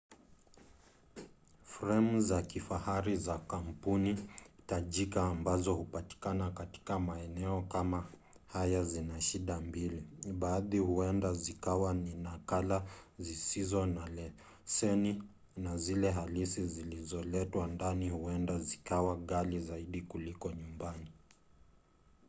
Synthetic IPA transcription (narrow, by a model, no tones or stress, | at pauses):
fɾɛmzakifahaɾizakampunitaʄikaːmbazɔhupati̥kanakati̥kamaɛnɛɔkama | hajazinaʃiɗambiliɓaːðihuɛndazikawaninakalazisizɔnalɛ | sɛni | nazilɛɦalisizilizɔlɛtwandanihuɛndazikawaɠalizaiɗikulikɔɲumbani